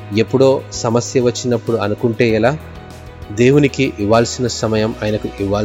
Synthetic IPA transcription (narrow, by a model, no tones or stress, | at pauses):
e̞pːuɽo̞ːsɐmɐsjɐʋɐt͡ʃːinɐpːuɽuɐnukuɳʈe̞ːilaː | d̪e̞ːwunikiʔiʋːaːlsinɐsɐmɐjɐmaːjnɐkuʔiʋːaː